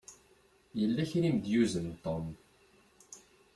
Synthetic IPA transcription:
jəlːæçɾimd̪juzənt̪om

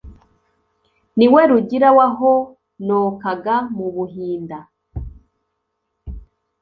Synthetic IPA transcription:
niweɾuɟiɾawaɦo | noːkaɡamuβuɦiːnda

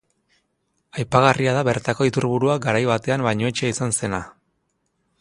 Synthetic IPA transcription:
ajpaɣariaðaβe̞ɾt̪ako̞it̪uɾβuɾuaɡaɾajβat̪e̞ambajɲo̞et͡ʃeisanse̞na

